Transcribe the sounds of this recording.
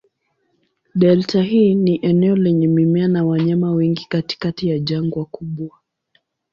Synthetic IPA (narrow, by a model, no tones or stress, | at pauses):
ɗɛltaɦiːniʔɛnɛɔlɛɲɛmimɛanawaɲamawɛŋɡikati̥katijaʄaŋɡwakuɓwa